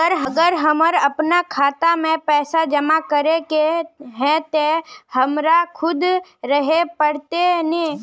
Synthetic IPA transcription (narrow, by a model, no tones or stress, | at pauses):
əɾɦəɡəɾɦəməɾɐpnakʰaːt̪amẽpɛːsad͡ʒəmakəɾekeɦɛ̃t̪ehəmɾakʰʊd̪ɾəɦepəɽt̪enẽ